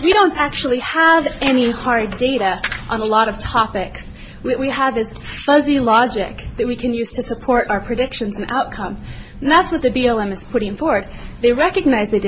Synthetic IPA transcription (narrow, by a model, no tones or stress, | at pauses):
wiɾõʊ̃ntæk̚t͡ʃul̩ˠiəvɛnihɑɹddeɪɾɨʔə̃nəlɔɾʌv̥tʰɑpɪks | wʌʔ̚wiəvɨz̥fʌzilɑd͡ʒɪkðɨt̚wikʰɨ̃njʉz̥tʰɨsəpʰɔɹɾʔaʊə˞pʰɹ̥ɨdɪkʃɨ̃nzɨ̃n̩ʔa̰ʊt̚kʰʌ̃mn̩ðætswʌt̪̚ðɨbiɛlˠɛ̃mɨz̥pʰʊɾɪ̃ŋfɔɹwə˞d̪̚ðeɪɹɛkɨɡ̚naɪzðɨɪd